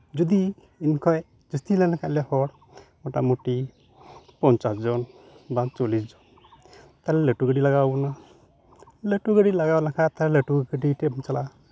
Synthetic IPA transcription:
d͡ʒɔd̪i | inkʰɔj | d͡ʒəst̪ʰilɛnakʰaʔlɛhɔɽ | mɔʈamoʈi | pɔnt͡ʃasd͡ʒɔn | bat͡ʃɔlisd͡ʒɔn | t̪alɛleʈuɡəɖilaɡawna | leʈuɡəɖilaɡawnakʰat̪alɛleʈuɡəɖiʈebnt͡ʃala

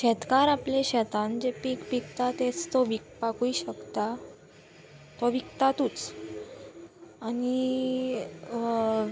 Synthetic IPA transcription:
ɕɛt̪kaɾapleɕɛt̪ãnd͡ʑepikpikt̪at̪et͡st̪oʋik̚pakuiɕəkt̪a | t̪oʋikt̪at̪uːt͡s | ñi

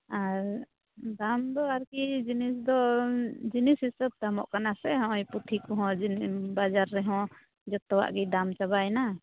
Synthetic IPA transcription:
aɾ | d̪amd̪ɔaɾkid͡ʒinisd̪ɔd͡ʒinisistəp̚t̪amɔʔkanasɛɦɔ̃jput̪ʰikɔɦɔ̃d͡ʒbad͡ʒaɾːɛɦɔ̃ | d͡ʒɔt̪ɔwa̰ʔɡɛd̪amt͡ʃabajna

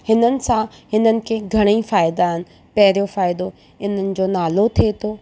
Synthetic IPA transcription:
hɪnənɪ̆sãɦɪnənɪ̆kʰeːɡʱɐɽ̃ifaːɪd̪aːɦɪnɪ̆ | pɐɦɪɾijofaːɪd̪o | ɪn̤ənɪ̆d͡ʑoːnaːlot̪ʰiet̪ʰoː

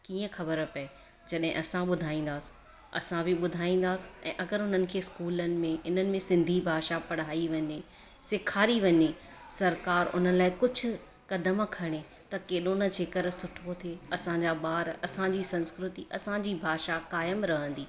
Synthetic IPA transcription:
kiːə̃xɐbəɾpɐe | d͡ʑɐɗɦɪ̃ʔɐsãɓʊd̪ʱaːĩːn̆d̪aːsi̥ | ɐ̰sãbʱɪɓʊd̪ʱaːĩːn̆d̪aːsɪ̥ɛ̰̃ːʔɐɡəɾɦʊn̤ənɪ̆kʰeːɪskuːlənɪ̆mẽɪnənɪ̆mẽsɪ̃nd̪ʱibʱaːʃapɐɽ̤aːiʋɐɲe | sɪkʰaːɾiʋɐɲe | sɐɾkaːɾʊ̰n̤əlaːɪkʊd͡ʑʱʊ̆ | kɐd̪əmkʰɐɽ̃e | t̪ɐkeːɗonə̆d͡ʑeːkəɾsʊʈʰot̪ʰeɐsãd͡ʑaːɓaːɾɐsãd͡ʑisɐ̃nskɾʊt̪iʔɐsãd͡ʑiːbʱaːʃakaːjəmɾɐɦə̃nd̪iː

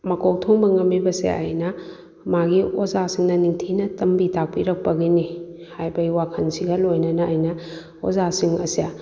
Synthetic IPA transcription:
mɐkʰok̚tʰoŋbɐŋɐmːibɐsḛɐ̰jnɐ | maɡiozasiŋnɐniŋtʰinɐtɐmbitak̚piɾɐk̚pɐɡini | hajbɐiwakʰɐnsiɡɐlojnɐnɐːjnɐ | o̰zasiŋɐ̰sija

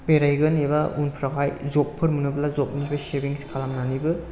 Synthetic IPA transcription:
beɾajɡɯnebaunpʰɾaɡajzɔpʰːɯɾmɯnɯblazɔp̚mɯnibasebiŋsi̥kʰalamnanibɯ

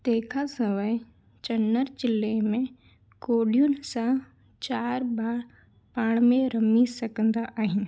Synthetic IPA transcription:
t̪eːkʰasəməj | t͡ʃɐnːəɾd͡ʒɪlːemẽ | koːɖijunsã | t͡ʃaːɾbaːɾ | paːɽ̃mẽɾəmisɐkənd̪aʔaːɦĩn

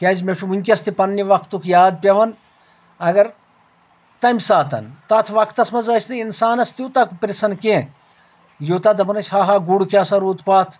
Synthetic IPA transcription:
kʲɐːd͡ʒmeʂʰumunʲkʲɐst̪ipɐnːiʋɐkʰt̪ukjaːd̪̚pʲɐʋɐn | ɐɡɐɾ | t̪ɐmʲsaːt̪ɐ̰nt̪ɐt̪ʰʋɐkʰt̪ɐsmɐzɐt͡ʃʰt̪ɐinsaːnɐst̪jut̪ɐkpɾisɐnkẽ | jut̪ɐd̪ɐpɐnɐt͡ʃʲʰhaːɦaːɡuɽkʲaːsɐɾuːt̪ʰpaːt̪ʰ

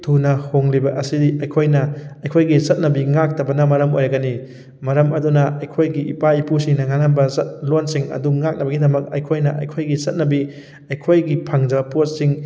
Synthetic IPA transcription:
tʰunɐhoŋlibɐʔɐsidiɐjkʰojnɐɐjkʰojɡisɐt̚nɐbiŋak̚tɐbɐnɐmɐɾɐmo̰jɐɡɐni | mɐɾɐmɐdunɐʔɐjkʰojɡiipaipusiŋnɐŋananbɐsɐt̚lonsiŋɐ̰duŋak̚nɐbɐɡidɐmɐk̚ɐjkʰojnɐʔɐ̰jkʰojɡisɐt̚nɐbi | ɐjkʰojɡipʰaŋd͡ʒɐpot̚siŋ

